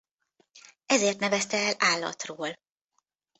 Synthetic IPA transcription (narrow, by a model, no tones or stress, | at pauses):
ɛzeːrt̪nɛvɛst̪ɛːlaːlːɒ̰t̪roːl